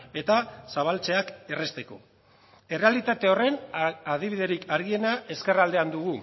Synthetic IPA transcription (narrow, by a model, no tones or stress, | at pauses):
e̞t̪asaβ̞alt͡se̞ake̞re̞st̪e̞ko̞ | e̞re̞alit̪at̪e̞o̞re̞nað̞iβiðe̞ɾikʰaɾɣie̞naʔe̞ske̞rald̪e̞and̪uɣ̞u